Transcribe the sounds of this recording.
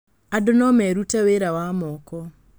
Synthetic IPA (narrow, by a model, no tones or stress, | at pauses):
adonɔmɛɾutɛweɾawamɔːkɔ